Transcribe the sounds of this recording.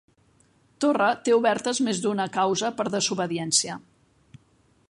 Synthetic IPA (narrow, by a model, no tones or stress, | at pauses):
t̪orət̪euβɛɾt̪əzmezd̪unəkawzəpəɾðəzuβəðiɛnsiə